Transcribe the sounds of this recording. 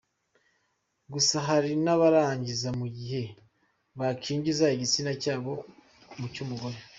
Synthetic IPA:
ɡusaɦaɾinaβaɾaːɲɟizamuɟihe̞ | βakʰiːɲɟizaiɟit͡sinacaːβo̞ | mucumuɡo̞ɾe

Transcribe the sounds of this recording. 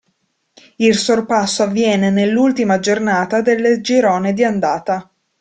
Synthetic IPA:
ilsorpasːoavːjɛːnenelːult̪imad͡ʒornaːt̪ad̪elːed͡ʒiɾɔːned̪iand̪aːt̪a

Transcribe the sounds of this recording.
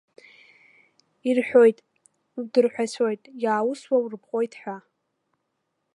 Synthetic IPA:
irħʷᶣo̞jtʼ | dɨrħʷᶣasʰo̞jtʼjaːwuswawrpʰqʼo̞jtʰʼħʷᶣa

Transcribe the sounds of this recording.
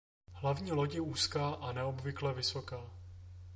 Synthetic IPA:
hlavɲiːloɟɪuːskaːʔanɛobvɪklɛvɪso̞kaː

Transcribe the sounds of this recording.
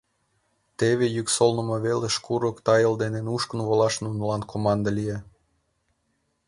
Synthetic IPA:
t̪eβejyksolnə̆mɑβeleʃkuɾokt̪ɑjəld̪enenuʃkə̆nvolɑʃnunəlɑnkʰomɑnd̪ɑlije

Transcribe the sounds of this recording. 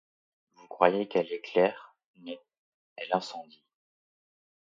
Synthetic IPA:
vukχwajekɛleklɛʁ | mɛ | ɛlɛ̃sɑ̃d̪i

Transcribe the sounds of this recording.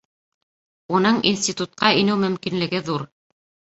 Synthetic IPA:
unɤɴḭnsʲtʲit̪ut̪̚qɑinɘwmɵ̆mkinlɘ̆ɡɘðuɾ

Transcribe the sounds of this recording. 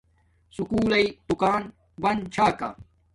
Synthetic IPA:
sukuːlɐid̪̥ukaːn | wɐnt͡ɕʰaːka̰

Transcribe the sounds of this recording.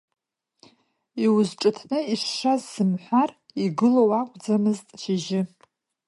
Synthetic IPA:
iwʊzʈ͡ʂʼɨtʰnɨiʂːazːɨmħʷariɡɨlowakʷʼd͡zamɨztʼʃiʒɪ

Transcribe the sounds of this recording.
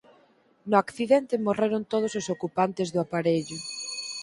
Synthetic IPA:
nʊakθiðent̪ɪmoreɾʊnt̪oð̞ʊsosokupant̪ɪzðʊapaɾeʎʊ

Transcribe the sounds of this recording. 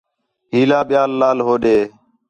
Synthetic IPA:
ɦiːlaːɓɪjaːlːaːlɦoːɗeː

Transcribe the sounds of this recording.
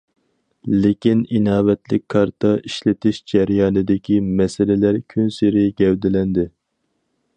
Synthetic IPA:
lɪkʲininɑːvɛt̪lɪ̰kʲkʰːɑɾt̪ʰɑʔiʃlɪt̪ɪʃd͡ʒɛɾjɑːnɨd̪ɪkʲʰimɛsɪlɪlæɾkʲʰynsɪɾɪɡʲɛwd̪ɪlɛnd̪ɪ

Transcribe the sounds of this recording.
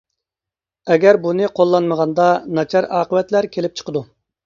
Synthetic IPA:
ɛɡʲæɾbunɨqʰolˠːɑnməʁɑnd̪ɑnɑt͡ʃʰɑɾɑːqəwɛt̪læɾkʲʰelɪp̚t͡ʃʰə̥qəd̪u

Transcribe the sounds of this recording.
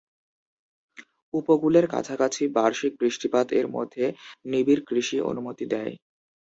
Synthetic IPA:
upokuleɾka̰t͡ɕʰakat͡ɕʰibaɾʃik̚bɾiʃʈipad̪ḛɾmo̰d̪ʱːenibiɾkɾiʃiʔo̰numot̪id̪ɛj

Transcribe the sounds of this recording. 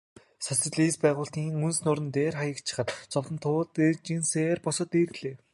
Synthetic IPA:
sasə̆ɮiːspæːʁʊːɬt̪iːŋunsnʊːɾɘ̆nt̪eːrχajə̆kt͡ɕʰɪ̥̆χə̆t̪t͡sɔwt̪ə̆nt̪ʰʊːt̪et͡ɕiːnseːrpɔsɞ̆t̪eːrɣɮeː

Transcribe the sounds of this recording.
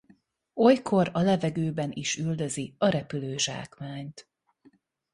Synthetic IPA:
o̞jkʰo̞ɾɒlɛvɛɡøːbɛniʃyld̪ø̞ziɒɾɛpyløːʒa̰ːkmaːɲt̪

